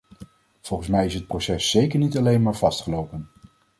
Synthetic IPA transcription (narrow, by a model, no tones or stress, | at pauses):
v̥ɔlˠχən̩smɛjɪsɦət̚prowsɛsːejkəɹnitɑlejnmaːɹvɑstχəlowpən